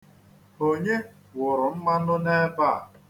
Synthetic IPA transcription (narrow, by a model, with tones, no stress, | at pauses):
o˨ɲe˦ | wʊ˨ɾʊ˨m̩˦ma˦ʊ˦ne˦ba˦˨